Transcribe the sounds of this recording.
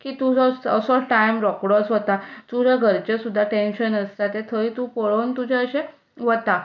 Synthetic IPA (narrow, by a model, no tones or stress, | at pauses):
kiːt̪ud͡zɔəsɔʈajmɾɔkɽɔt͡sʋət̪atuɾəɡʱəɾt͡ɕesud̪ʱːaʈenɕənəst̪at̪et̪ʰəit̪upəɭənt̪ud͡ʑʱeəɕe | ʋət̪a